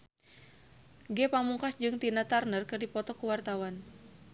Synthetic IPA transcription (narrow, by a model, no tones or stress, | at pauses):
ɡɛpamuŋkasd͡ʒɨŋt̪inat̪arnərkɨrdipɔt̪ɔkuwart̪awan